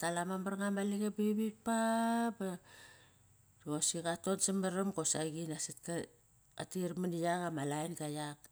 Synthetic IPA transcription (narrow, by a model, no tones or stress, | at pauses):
talamamaɾŋamaliɡebiβik̚paba | osikato̞nsimeɾamko̞saɡinasitka | a̰tiɾmanijakamalajnɡajak